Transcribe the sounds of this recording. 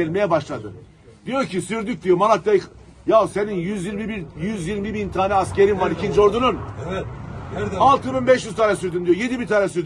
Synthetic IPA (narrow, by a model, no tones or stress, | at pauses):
ɛlʲmejɛbaʃlˠad̪ɯ̰ | d̪̥ijo̞ɾcʰisyɾd̪yc̚ʲd̪ijomanat̪d̪e | jaseninjyzjiɾmibiɾjyzjiɾmibint̪ʰaːnɛasceɾinvaɾicʰind͡ʒo̞ɾd̪unun | alˠt̪ʰɯnunbɛʃjyzt̪ʰaːnɛsyɾd̪ymd̪ijojed̪ibiɾt̪ʰaːnɛsyɾd̪